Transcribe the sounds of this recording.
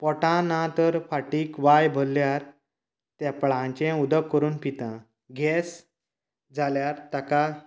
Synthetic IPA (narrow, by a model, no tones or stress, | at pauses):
pɔʈãnãt̪əɾfaʈiːkʋajbʱolːjaɾ | t̪ɛpɭãt͡ɕẽud̪əkːəɾuːnpit̪ã | ɡɛs | d͡zʱaljaɾt̪aka